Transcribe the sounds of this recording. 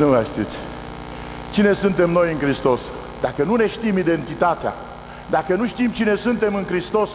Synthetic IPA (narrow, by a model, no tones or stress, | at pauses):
nuaʃt̪it̪sʲ | t͡ʃine̞sɨnt̪e̞mno̞jɨnkɾist̪o̞s | d̪akənune̞ʃt̪imid̪e̞nt̪it̪at̪ea̰ | d̪akənuʃt̪imt͡ʃine̞sɨnt̪e̞mɨnkɾist̪o̞s